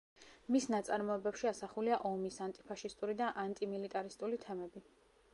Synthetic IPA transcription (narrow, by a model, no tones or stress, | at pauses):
misnat̪sʼaɾmɔɛbɛpʃiasaχuliaʔɔmisant̪ʼipʰaʃist̪ʼuɾid̪aʔant̪ʼimilit̪ʼaɾist̪ʼulit̪ʰɛmɛbi